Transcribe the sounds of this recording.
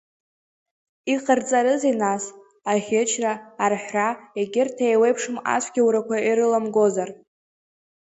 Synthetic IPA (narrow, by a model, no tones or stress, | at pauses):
iqʰʼrt͡sʼaɾɨzinas | aχʲɪt͡ʃʰraːrħʷraeɡʲɪrtʰajwejpʰʂɨma̰sʷʰɡʲawɾakʷaiɾɨlamɡo̞zar